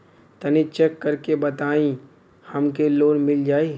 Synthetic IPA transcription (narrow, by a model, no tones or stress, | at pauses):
t̪ɐnit͡ʃekːɐɾkebɐt̪aːĩ | hɐmkeloːnmɪld͡ʒaːi